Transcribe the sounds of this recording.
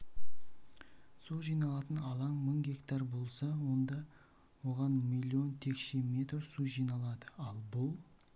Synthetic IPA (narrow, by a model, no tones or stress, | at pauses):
solˠʒijnɑlˠɑt̪ənɑlˠɑɴməŋɡʲe̞kt̪ɑɾbo̞lˠsɑwo̞nd̪ɑ | wo̞ʁɑnmijlʲˠːio̞nt̪ʰe̞kʃeme̞t̪rsuʒijnɑlˠɑd̪əɑlˠbʊlˠ